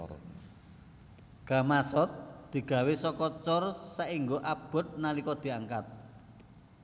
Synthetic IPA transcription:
ɡ̥a̤masɔt̪̚d̪̥i̤ɡ̥a̤wesɔkɔt͡ʃɔrsaʔiŋɡoʔab̥ɔ̤t̪̚nalikɔd̪̥i̤aŋkat̪̚

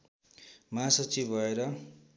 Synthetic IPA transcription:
maːsʌt͡sibbʱʌeɾʌ

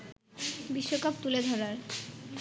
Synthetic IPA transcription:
biʃːokap̚t̪uled̪ʱɔɾaɾ

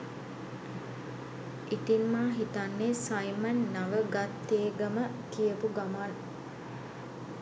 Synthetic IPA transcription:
ʔiʈinmaːɦit̪anːesajmənːaʋəɡat̪ːeːɡəmək̪ijəpuɡaman

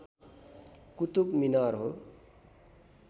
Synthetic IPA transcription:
kut̪ubminʌɾɦo

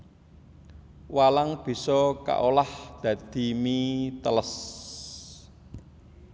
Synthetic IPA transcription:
walaŋb̥i̤sɔka̰ʔolahd̪̥ä̤d̪̥i̤mit̪ələs

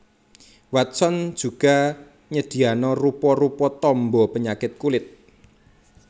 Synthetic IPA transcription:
wat̪sɔn̥d͡ʒ̥ṳɡ̥a̤ | ɲəd̪̥i̤anɔrupɔrupɔt̪ɔmbɔpəɲakɪt̪̚kulɪt̪̚

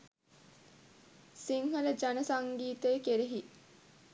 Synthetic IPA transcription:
siŋɦələd͡ʒanəsaŋɡiːt̪əjkeɾeɦi

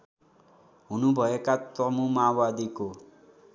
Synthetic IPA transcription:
ɦunubʱʌekat̪ʌmumawad̪iko

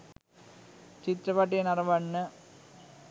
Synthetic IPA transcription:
t͡ɕit̪ɾɐbɐʈ̬ːijɐnɐrɐʋɐɳːɨ

